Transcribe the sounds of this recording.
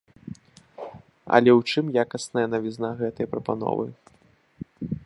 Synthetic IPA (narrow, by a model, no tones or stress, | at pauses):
ɐ̰lʲɛwt͡ʂɨmjakɐsnɐjɐnɐvʲiznaɣɛt̪ɐjɐpɾɐpa̰n̪ɔ̰vɨ̰